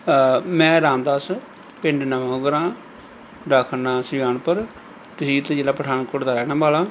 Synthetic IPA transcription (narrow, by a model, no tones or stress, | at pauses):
mɛ̃ːɾaːmd̪aːs | pɪɳɖnəʋãːɡəɾãː | ɖaːkʰnãːsɾɪjaːnpəɾ | t̪ɪsiːt̪ed͡ʒeːlãːpɾəɖaːnkoːɖd̪aːɾɛːnãːmbaːlãː